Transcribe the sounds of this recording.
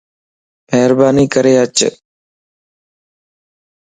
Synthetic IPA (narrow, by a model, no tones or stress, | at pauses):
mɛɦɾbaːniːkəɾeːət͡ʃ